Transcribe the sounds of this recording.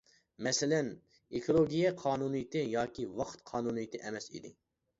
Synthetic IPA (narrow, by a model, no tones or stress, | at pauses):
mɛsɪlɛn | ekʰolˠoɡʲijɛqʰɑːnunɨjit̪ʰɪjɑːkʲiwɑqʰt̪qʰɑːnunɨjit̪ʰɪʔɛmɛsḭd̪ɪ